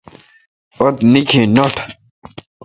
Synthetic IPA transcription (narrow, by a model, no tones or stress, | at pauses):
ot̪nikʰenoʈʰ